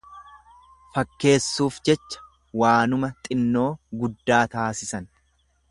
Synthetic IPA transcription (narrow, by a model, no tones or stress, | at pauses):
fɐkːe̞ːsːuːfd͡ʒɛt͡ʃːɐ̥ | waːnʊmɐt̪ʼɪnːo̞ːɡʊd̪ːaːt̪aːsɪsɐn